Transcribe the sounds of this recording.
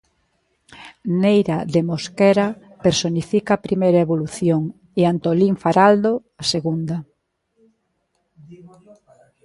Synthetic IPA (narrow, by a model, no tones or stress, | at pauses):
nejɾaðemoskɛɾa | peɾsonifikaːpɾimejɾaeβoluθjoŋ | eant̪oliɱfaɾald̪o | aseɣund̪ɐ